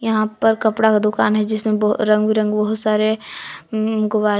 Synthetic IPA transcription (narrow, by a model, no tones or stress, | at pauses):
jɐɦãpɐɾkɐpɽakad̪ʊkaːnɦɛd͡ʒɪsmẽbɾɐ̃ŋɡbiɾɐ̃ŋɡbɐɦʊt̪saːɾe | ɡʊʋaːɾ